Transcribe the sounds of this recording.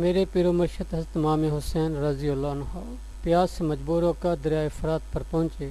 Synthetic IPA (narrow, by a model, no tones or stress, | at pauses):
meːɾepiːɾoːmɐɾʃət̪ɦɐzɾət̪maːmeːɦʊsɛːnɾaːziːɐlːaːnɦaː | pɪjaːsemɐd͡ʒbuːɾoːkaːd̪ɪɾjaːifɾaːt̪̚pɐɾpɐɦʊ̃nʲt͡ʃeː